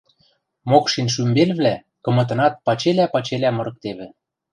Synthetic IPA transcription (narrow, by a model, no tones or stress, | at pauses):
mokʃinʃ̬ymbelβlæ | kɤ̆mɤ̆t̪̬ɤ̆nɑt̪̚pɑt͡ɕelæpɑt͡ɕelæmɤ̆ɾɤ̆k̚t̪eβɘ̆